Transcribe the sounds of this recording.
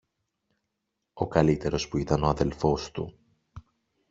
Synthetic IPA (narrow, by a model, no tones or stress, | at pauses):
o̞kɐlit̪e̞ɾo̞spuit̪ɐno̞ɐðe̞lfo̞st̪ṵ